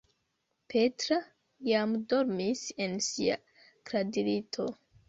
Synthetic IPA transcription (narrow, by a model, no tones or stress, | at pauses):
petɾa | jamdo̞ɾmise̞nsia̰ | kɾadilitʰo̞